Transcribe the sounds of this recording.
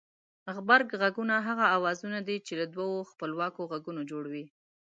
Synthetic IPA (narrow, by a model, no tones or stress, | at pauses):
ɣbaɾɡɣaɡunaɦaɣaːwɑzunad̪it͡ʃelad̪wawoxpəlwɑkoɣaɡunod͡ʒoɽawi